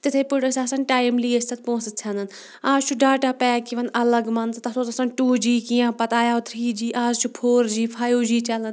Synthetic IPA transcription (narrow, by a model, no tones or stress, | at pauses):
t̪ɪt̪ʰepʊɽəsaːsɐnʈaːjmliːest̪ʰɐt̪̚põːsət͡ʃʰanən | aːzt͡ʃʰuɖaːʈaːpɛːkiʋɐnɐləɡmɐnzt̪ɐsot̪ɐsɐnʈuːd͡ʒiːkijãːpɐt̪aːjaːʊt̪ʰɾiːd͡ʒiːʔaːzt͡ʃʰupʰoːɾd͡ʒiːpʰaːjoːd͡ʒiːt͡ʃɐlən